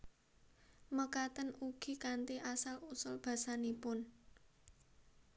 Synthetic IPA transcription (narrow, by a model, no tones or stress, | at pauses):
məkat̪ənuɡ̥i̤kant̪iʔasalusʊlb̥ä̤sanipʊn